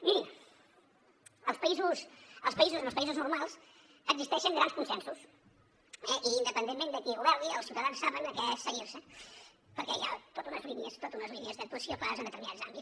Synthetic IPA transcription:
mi | əlˠspəizusəlˠspəizuzəməspəizuznuɾmalˠz | əɡzist̪ɛʃəŋɡɾanskunsɛnsus | ɛʔiːnd̪əpənd̪emːend̪əkiuβɛɾðiəlˠsiwt̪əðansːaβənəkɛsəɣiɾsə | pəɾkɛ̰ja̰t̪ot̪unəzliniəst̪ot̪unəzliniəzðək̚t̪uəsiofazənd̪ət̪əɾminadz̥a̰mbi

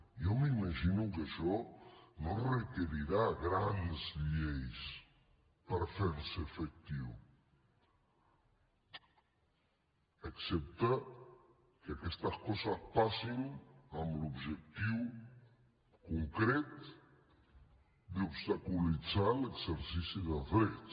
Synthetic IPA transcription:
jɔmimaʒinukaʃɔnorəkeɾiɾaɣɾanzʎejs | pəɾfeɾsefək̚t̪iw | əksɛp̚t̪ə | kəakɛst̪əhkɔsəspasinamlubʒek̚t̪iw | kuŋkɾɛt̪ | d̪upst̪akulid͡zaləkzəɾsisiðəfɾet

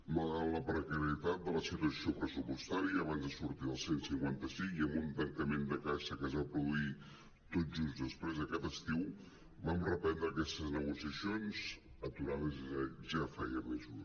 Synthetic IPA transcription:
məɣaləpɾəkəɾiət̪at̪̚d̪ələsit̪uəsiopɾəsupəst̪aɾiəːβanzðəsuɾt̪iðəlˠsensiŋkwant̪əsiŋiəmbunt̪əŋkəmend̪əkasəkəzβapɾuðui | t̪ot̪̚d͡ʒusðəspɾezðəkat̪əst̪iw | bamrəpɛnd̪ɾəːkɛst̪əznəɣusiəsionz | ət̪uɾaðəzaʒafɛjəməzu

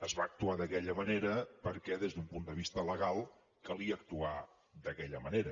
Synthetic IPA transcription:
əzβaːk̚t̪uaðəkɛʎəməneɾəpəɾkɛðezðumpund̪əβist̪ələɣalˠ | kəlˠiəːk̚t̪ua | d̪əkɛʎəməneɾə

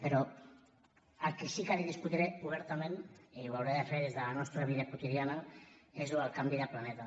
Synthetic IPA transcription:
beɾo̞ | aɾkisikaɾiðiskut̪iɾeuβeɾt̪ameneβawɾeðafeɾezd̪anost̪ɾaβiðeko̞t̪ið̞ianaezðualkand̪iɾaplane̞t̪a

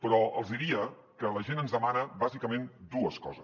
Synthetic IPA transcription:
pɾɔə̰lˠzðiɾiə | kələʒenənzðəmanəβazikəmend̪uəskɔ̰zəs

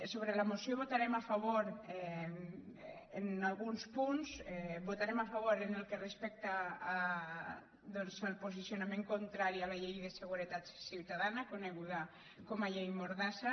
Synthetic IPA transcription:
soβɾelamosioβot̪aɾɛmafaβoɾɛ | enalɣunspunzɛbot̪aɾemafaβ̞oɾenelˠkerespɛk̚t̪aː | d̪ɔnzəlˠposisjonamẽŋkont̪ɾaɾialaʎejðeseɣ̞uɾet̪at̪siwt̪aðanakoneɣuða | komaʎejmoɾðasa

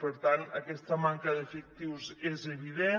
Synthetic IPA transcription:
pəɾt̪anəkɛst̪əmaŋkəðəfək̚t̪iwzezəβiðe

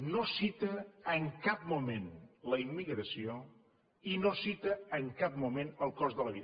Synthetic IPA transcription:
nosit̪əəŋkap̚mumẽnləimːiɣɾəsio | inosit̪əəŋkap̚mumẽnəlˠkɔzðələβið

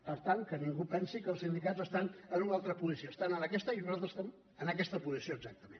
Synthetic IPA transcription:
pəɾt̪aŋkəniŋɡupɛnsikəːlˠsind̪ikazəst̪anənunalˠt̪ɾəpuzisioəst̪anənəkɛst̪əinuzalˠt̪ɾəzə̥st̪ɛm | ənəkɛst̪əpuzisioəɡzak̚t̪əmḛn

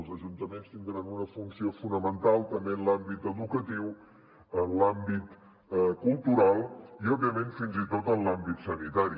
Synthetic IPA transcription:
lˠzəʒunt̪əmenst̪ind̪ɾanunəfunsiofunəmənt̪alˠt̪əmbenlambit̪əðukət̪iw | ənlambit̪ | əkulˠt̪uɾalˠiɔbiəmẽnfinzit̪ot̪ənlambit̪sənit̪aɾi

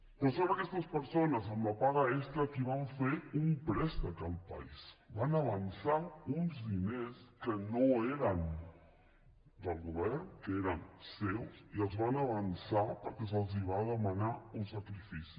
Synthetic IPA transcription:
kəsoβɾəkɛst̪əspəɾsonəzəmləpaɣəɛst̪ɾəkiβ̞aɱfeumpɾɛst̪əkəlˠpə̰isbanəβ̞ənsaunzðineskənoeɾən | d̪əlˠɣuβɛrnkəeɾənsewsiəlˠzβanəβənsapəɾkɛsəlˠziβ̞aðəmənaunsəkɾifisi̥

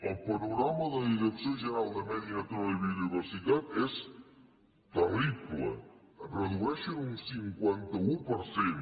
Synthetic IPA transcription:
əlˠpoɾuɣɾamɐðəðiðəksjõʒəɾalˠd̪ɐmɛðiat̪ɾɔβiuniβəɾsit̪at̪ɛs | pərikulə̰ | rəðuɛʃeuŋsiŋkwɛnt̪ɐupəɾsen

